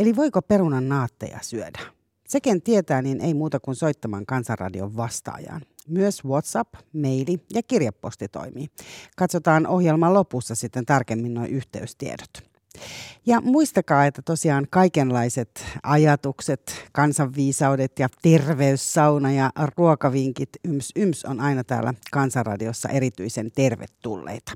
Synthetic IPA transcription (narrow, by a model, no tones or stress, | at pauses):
eliʋo̞ikopeɾunɑnːɑːt̪ːḛjɑ̰syødæ | se̞kent̪iet̪æːninʔeimuːt̪ɑkunso̞jt̪ːɑmɑ̰ŋkɑnsɑrrɑ̰dio̰ʋʋɑst̪ɑ̰ːjɑ̰ːn | myøswot̪sɑpmeilijɑkirjɑpːost̪it̪o̰imḭːkɑt̪sot̪ɑːnʔohjelmɑlo̞pusːɑsit̪ːent̪ɑrkemːinːoiʔyht̪ḛyst̪iḛdot̪ | jɑmuist̪ɑkɑːet̪ːæt̪osiɑːnkɑikenlɑiset̪ɑjɑt̪ukset̪kɑnsɑʋːiːsɑwdet̪jɑt̪erʋeysːɑwnɑjɑruokɑʋiŋkit̪ymsymsonɑinɑt̪æ̰ːlːækɑnsɑrrɑ̰diosːɑ̰ʔe̞ɾit̪yisent̪erʋḛt̪ːulːḛjt̪ɑ̥